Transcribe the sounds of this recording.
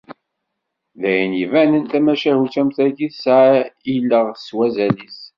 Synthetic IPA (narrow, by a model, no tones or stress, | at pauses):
ðæjənivænənt̪æmæʃæhut͡sæmθæɡiθsʕilːəʁswæzælis